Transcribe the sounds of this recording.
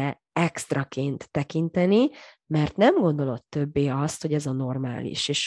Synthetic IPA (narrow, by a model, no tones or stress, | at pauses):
ɛ | ɛkst̪rɒkeːnt̪ːɛkint̪ɛni | mɛrt̪nɛmɡo̞nd̪o̞lo̞t̪ːøbːeːɒst̪ho̞ɟɛzɒno̞rma̰ːlḭʃeːʃ